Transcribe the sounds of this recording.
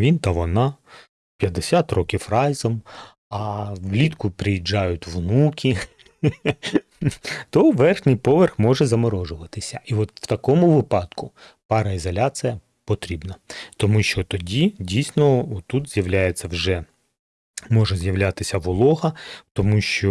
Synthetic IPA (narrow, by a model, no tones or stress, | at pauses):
ʋʲint̪ɐʋɔnɑ | pʲjɐd̪esʲat̪rɔkʲifrɑjzɔm | ɐwlʲit̪kʊpɾɪjid͡ʒɑjʊtʲʋnukʲʰi | t̪ɔʋɛrxnʲijpɔʋerxmɔʒɛzɐmɔɾɔʒʊʋɐt̪ɪsʲɐʔiʋɔt̪w̥t̪ɐkɔmʊʋɪpɑd̪kʊ | pɑɾɐizɔlʲat͡s̪ʲijɐ | pɔt̪ɾʲibnɐt̪ɔmuʃt͡ʃɔt̪ɔdʲidʲijsnɔɔt̪ːut̪z̥ʲjɐʋlʲajet͡sʲːɐwʒɛ | mɔʒɛzjɐʋlʲat̪ɪsʲɐʋɔlˠɔɦɐt̪ɔmuʃt͡ʃɔ